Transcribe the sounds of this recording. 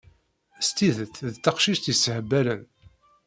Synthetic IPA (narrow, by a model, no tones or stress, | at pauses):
st̪iðəθðt̪ːɑqʃiʃt̪jəsəhəbːæɾən